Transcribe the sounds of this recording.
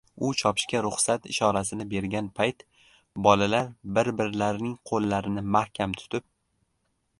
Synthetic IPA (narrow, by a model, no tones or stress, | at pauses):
ʊt͡ʃʰɒpʰɪ̥ʃkʲaɾʊχsat̪ɪ̰ʃɒɾasɪnɪbe̞ɾɡʲanpʰajt̪ | bɒlalaɾbɪɾbɪɾlaɾnɪŋqʰolˠːaɾɪnɪmahkʲʰamt̪ʰʊ̥t̪ʰɪp̚